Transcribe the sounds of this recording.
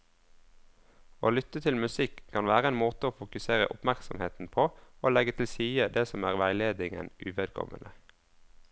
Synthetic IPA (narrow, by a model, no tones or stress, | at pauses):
oːlʏt̪ət̪ʰɪlmʉsɪkʰːɑnʋæːʁəɛːnmoːt̪əoːfʊkʉseːʁə̰ʔʊpmæʁksɔmheːt̪n̩pʰoːoːlɛɡət̪ʰɪlsiːəd̪eːsɔmæːʁʋæɪleːd̪ɪŋə̰nʉːʋɛd̪̚kʰɔ̰ʋə̰nə